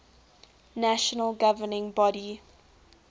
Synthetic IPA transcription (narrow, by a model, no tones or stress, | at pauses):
næʃənəlɡavənɪ̃ŋbɔɾi